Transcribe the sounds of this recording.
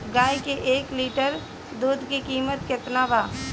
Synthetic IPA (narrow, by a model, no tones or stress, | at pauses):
ɡaːjkeʔeːkliːʈəɾ | d̪uːd̪kikiːmət̪ket̪naːʋaː